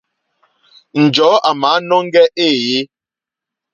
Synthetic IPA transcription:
n̩˨d͡ʒɔː˨˦ʔa˨ma˨˦nɔ˦ŋ˦ɡɛ˦ʔe˦˨je˦

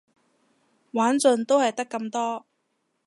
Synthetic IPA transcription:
waː˨˥nt͡sɵ˧nt̪o˥whɐ˨jt̪ɐ˥kːɐ˧mt̪ɔː˥

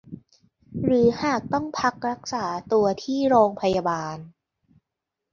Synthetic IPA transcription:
ɾɯː˩˦haː˨˩k̚t̪ɔ˥˩ŋpʰa˦˥k̚ɾa˦˥k̚saː˩˦t̪u˧ɐt̪ʰiː˥˩ɾoː˧ŋpʰa˧ja˧baː˧n

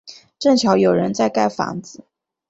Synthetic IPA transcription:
ʈ͡ʂə˥˩ŋt͡ɕʰjɑ˧˥ʊjo˨˩ʊɻə˧˥nt͡sa˥˧ɪka˥˩ɪfɑ̰˧˥ŋd͡zɹ̩˨˩˦

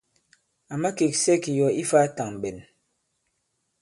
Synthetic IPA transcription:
a˨ma˦ke˨ksɛ˦ki˨jɔ˨i˦faː˦ta˨ŋm˨ɓɛ˨n

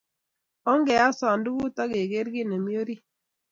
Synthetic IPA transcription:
ɔ˦ŋɡɛ˨a˦sa˨ndu˦ɡu˦ta˦ɡe˨ɡe˦ɾɡi˦˨ne˨mi˦o˦ɾi˦

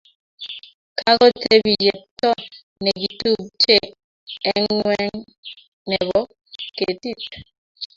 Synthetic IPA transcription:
kʰa˦kɔ˦tʰe˦bi˨je˨tɔ˦ | nɛ˨ɡi˨tu˦˨b̚t͡ʃe˦ | ɛ˦ŋŋwwɛ˦ŋ | nɛ˨bɔ˦ | ke˨ti˦˨t

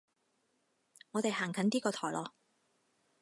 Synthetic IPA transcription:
ŋɔː˨˧t̪e˨jɦaː˨˩ŋkʰɐ˨˥nt̪iː˥kɔː˧t̪ʰɔː˨˩jlɔː˨˧

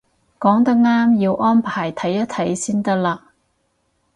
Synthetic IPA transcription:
kɔː˨˥ŋt̪ɐ˥k̚ŋaː˥mjiː˧wʔɔː˥npʰaː˨˩jt̪ʰɐ˨˥jːɐ˥t̪ʰɐ˨˥jsiː˥nt̪ɐ˥k̚laː˧

